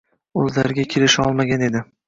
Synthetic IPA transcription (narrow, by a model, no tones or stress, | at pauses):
ɵzlaɾɡʲakʲʰelɪʃɒlˠmaɡʲane̞d̪ɪ